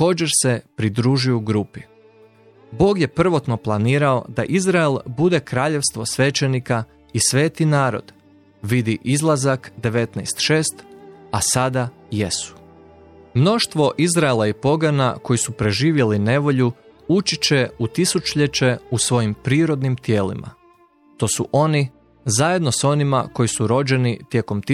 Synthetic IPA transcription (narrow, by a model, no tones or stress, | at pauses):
ko̞ːd͡ʒe̞ɾse̞pɾid̪ɾuːʒijuɡɾupi | bo̞ːɡje̞pr̩ʋo̞t̪no̞plˠaniːɾao̞d̪aʔizɾaelbud̪e̞kɾaːʎe̞ʋst̪ʋo̞sʋe̞t͡ʃe̞nika | isʋe̞ːt̪inaːɾo̞̰d̪̥ | ʋid̪iʔizlˠazakd̪e̞ʋe̞t̪najst̪ʃe̞ːst̪asad̪ajesu̥ | mno̞ʃt̪ʋo̞ʔizɾaelˠaipo̞ɡana̰ko̞jisupɾe̞ʒiːʋje̞line̞ʋo̞ʎu | ut͡ʃit͡ɕeut̪isut͡ʃuʎet͡ʃe̞usʋo̞jimpɾiːɾo̞d̪nimt̪je̞ːlḭmʔa̰ | t̪o̞ːsuʔo̞ni | zaje̞d̪no̞so̞nima̰ko̞jisuɾo̞d͡ʑe̞nit̪je̞ko̞mt̪i